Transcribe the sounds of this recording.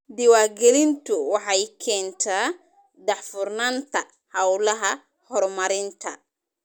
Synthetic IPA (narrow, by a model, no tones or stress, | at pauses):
d̪ɪwaːɡɛlɪnt̪ʰʊwɑħɑjkʰɛːnt̪ʰa | d̪ɑħfʊrnant̪ʰɐ | hɐwlɐɦɐ | hɔrmɐɾɪnt̪ʰɐ